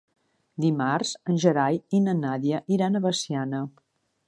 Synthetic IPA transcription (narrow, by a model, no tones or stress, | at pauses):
d̪imarz̥ənʲʒəɾajinənaðjəʔiɾanəβəsianə